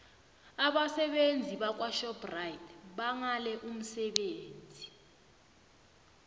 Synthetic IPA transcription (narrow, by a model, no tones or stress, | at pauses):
aɓasɛɓend͡zʱiɓak̬ʼwaʃɔprajitʰɓaŋalɛʔum̩sɛɓeːnd͡zʱi